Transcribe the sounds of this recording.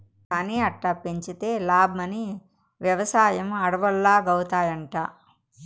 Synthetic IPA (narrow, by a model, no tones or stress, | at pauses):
kaːniːɐʈːapːeɲt͡ʃit̪eːlaːbmɐni | ʋjɐʋɐsaːjɐmɐɽɐʋɐɭːaːɡɐwut̪aːjɐɳʈaː